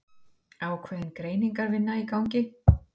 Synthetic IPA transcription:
aːwkʰvɛːðɪnkɾeːjniŋkaɾvɪnːaikawɲcɪ

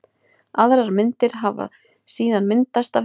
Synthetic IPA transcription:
aðɾaɾmɪnt̪ɪɾ̥ɦava̰ | siːðanmɪnt̪ast̪a

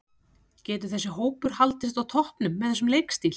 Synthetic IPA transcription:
cɛːt̪ʏɾθɛsːɪɦoːwpʏɾ̥halt̪ɪst̪awt̪ʰɔhpnʏmːɛðθɛs̬ːʏmleːjkst̪il

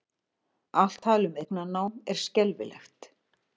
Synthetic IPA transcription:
al̥t̪ʰːaːlʏmejknanaːwmɛɾ̥scɛlvɪ̰lɛ̰xt̪

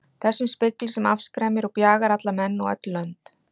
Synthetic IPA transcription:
θɛsːʏmspɪklɪsɛmafskɾɛːmɪɾɔɣpjaːɣaɾat̪lamɛnːɔɣœ̰t̪lːœnt̪

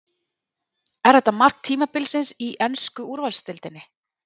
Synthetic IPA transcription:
ɛɾ̥ɾɛt̪ːamar̥kt̪ʰiːmapɪlsɪnsiʔɛnskʏuɾvalst̪ɪlt̪ɪnːɪ

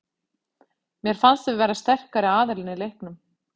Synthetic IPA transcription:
mjɛɾ̥fanst̪vɪvɛːɾast̪ɛr̥kaɾɪaːðɪɾlɪnɪlejhknʏm

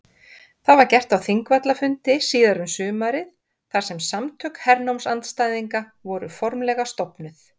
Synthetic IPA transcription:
θavaɾcɛr̥t̪awθiŋkvat̪lafʏnt̪ɪsiːðaɾʏmsʏːmaɾɪθ | θaɾ̥sɛmsamt̪ʰœkhɛɾnowmsant̪st̪ajðiŋka | vɔɾʏ̰fɔɾmlɛɣast̪ɔwpnʏθ

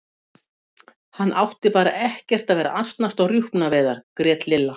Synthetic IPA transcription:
hanːʔawht̪ɪpaːɾa̰ʔɛhcɛr̥t̪aðvɛːɾa̰ʔast̪nast̪aɣrjuhpnavɛːðaɾ̥kɾɛːt̪lɪlːa

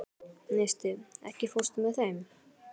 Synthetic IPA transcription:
nejst̪ɪɛ̰hcɪfost̪mɛðθejm

